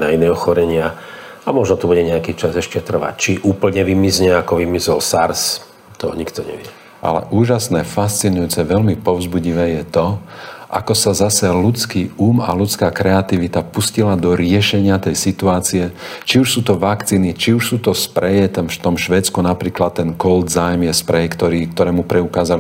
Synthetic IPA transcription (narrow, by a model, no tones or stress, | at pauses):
nainɛɔxɔɾɛɲɪa | amɔʒnɔt̪ubuɟɛɲɛakiːt͡ʃazɛʃcɛt̪r̩ʋa̰ct͡ʃiʔuːpl̩ɲɛʋimizɲɛakɔʋimizɔlsaɾs | t̪ɔ̰ɲikt̪ɔɲɛ̰ʋɪɛ | ʔa̰lɛ̰ʔuːʒasnɛːfast͡sinujuːt͡sɛʋɛlmipɔʊzbuɟiʋɛːjɛt̪ɔʔa̰kɔsazasɛlut͡skiːuːma̰lut͡skaːkɾɛat̪iʋit̪apuscilad̪ɔɾɪɛʃɛɲɪat̪ɛjsit̪uaːt͡siɛt͡ʃiuʃsuːt̪ɔʋakt͡siːnit͡ʃiuʃsuːt̪ɔspɾɛjɛt̪ɛnft̪ɔmʃʋɛːt͡skunapɾiːklat̪ːɛnkɔld̪zajmjɛspɾɛjkt̪ɔɾiːkt̪ɔɾɛːmupɾɛukaːzal